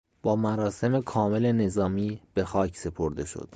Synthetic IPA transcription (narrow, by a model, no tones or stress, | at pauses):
b̥ɒːmæɾɒːse̞me̞kʰɒːme̞le̞ne̞zɒːmiːb̥e̞xɒːcʰse̞pʰo̞ɾd̪e̞ʃo̰d̪̥